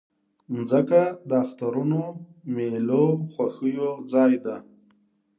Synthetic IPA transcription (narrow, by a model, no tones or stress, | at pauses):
nzəkad̪əaxt̪aɾunomeloxwaxəjod͡zɑjd̪a